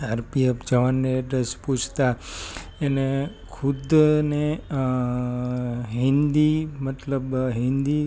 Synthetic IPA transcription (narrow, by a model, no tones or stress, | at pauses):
aɾpiəpd͡ʒəʋanːeɖəspũt͡ʃʰt̪a | ene | kʰud̪ne | ɦĩnd̪imət̪ləbɦĩnd̪i